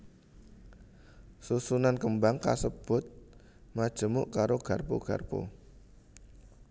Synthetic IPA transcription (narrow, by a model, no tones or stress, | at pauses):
susunankəmbaŋka̰səb̥ʊ̤t̪̚ | mad̥ʒ̥ə̤mʊʔkaɾoɡ̥a̤rpṵɡ̥a̤rpo̰